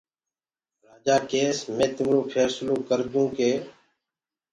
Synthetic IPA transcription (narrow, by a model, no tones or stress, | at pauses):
ɾaːd͡ʒaːkeːsmẽːt̪ɪmɾoːpʰeːsloːkəɾd̪ũːkeː